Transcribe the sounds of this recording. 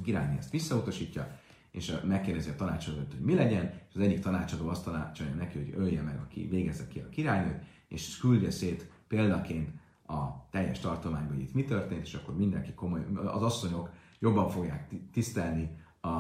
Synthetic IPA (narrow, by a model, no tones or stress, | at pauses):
kiɾa̰ːjneɛst̪ʋisːɒut̪ɒʃiːcːɒ | eːʃmɛkːeːrd̪ɛziɒt̪ɒnaːt͡ʃɒd̪oːt̪ho̞ɟmilɛɟɛneʃɒzɛɟːikt̪ɒnaːt͡ʃɒd̪oːɒst̪ɒnat͡ʃojɔnɛkiho̞ɟøljɛmɛɡɒkḭveːɡɛzɛkːiɒ̰kiɾaːjnøːt̪ | ḛʃɛ̥kyld̪øseːt̪ | peːld̪ɒkeːnt̪ | ɒt̪ɛjːɛʃt̪ɒrt̪omaːɲbɒɦoɟḭt̪mit̪ø̞rt̪eːnt̪eːʃɒkːo̞rmind̪ɛ̰ŋkiko̞mojɒ̰zɒsːo̞ɲo̞k | jo̞bːɒɱfo̞ɡja̰ːkt̪ist̪ɛlni | ɒ